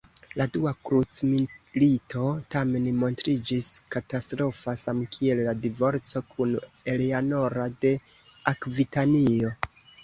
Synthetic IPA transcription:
laduakɾut͡smilitʰo̞tame̞nimo̞ntɾid͡ʒiskatastɾo̞fasamkʰie̞lːadivo̞ɾt͡so̞kʰun | e̞leano̞ɾade̞ | akvitanio̞

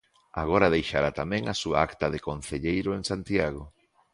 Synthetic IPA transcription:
a̰ɣ̞ɔɾaðejʃaɾat̪amɛ̃ŋasua̰akt̪ɐðekon̟θeʎejɾʊeŋsant̪jaɣo

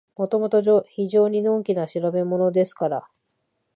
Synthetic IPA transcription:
mo̞t̪o̞mo̞t̪o̞ʑoçiʑo̞ːɲ̟inõ̞ːŋkʲinaɕiɾabe̞mo̞no̞d̪e̞sɨ̥kaɾa

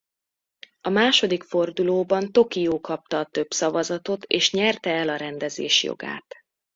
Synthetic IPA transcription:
ɒmaːʃo̞d̪ikfo̞rd̪uloːbɒnt̪o̞kijoːkɒp̚t̪ɒːt̪ø̞bsɒvɒzɒt̪o̞t̪ʰeːʃɲɛrt̪ɛɛlɒɾɛnd̪ɛzḛːʃjo̰ɡa̰ːt̪

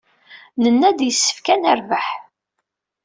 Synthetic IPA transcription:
nənːæd̪jəsːə̥fkænæɾvəħ

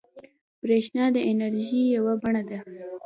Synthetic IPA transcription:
b̥ɾeʃnɑd̪əʔɪnaɾʒijawabaɳad̪a

